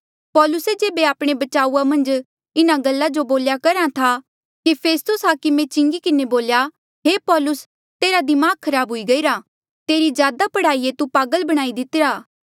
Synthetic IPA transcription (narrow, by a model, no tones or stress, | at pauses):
pɔːlʊsed͡ʒeːbeaːpɽ̃ebɐt͡ʃaːuamɐ̃nd͡ʒ | ɪnaɡɐlːad͡ʒoboːljakɐɾãt̪ʰa | kipʰeːst̪ʊsɦaːkɪmẽt͡ʃɪ̃ŋɡikɪneboːlja | ɦeːpɔːlʊs | t̪eːɾad̪imaːkkʰːɐɾaːbɦʊiɡɐiːɾa | t̪eːɾizjaːd̪apɐɽ̤aːiet̪upaːɡəlbɐɽ̃aːid̪ɪt̪ɪɾaː